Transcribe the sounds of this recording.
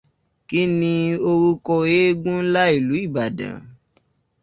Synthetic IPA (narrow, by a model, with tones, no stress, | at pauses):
ki˦nĩ˧o˧ɾu˦kɔ˧je˦ɡũ˦n̩˦la˦i˦˨lu˨˦i˦˨ba˨dã̰˨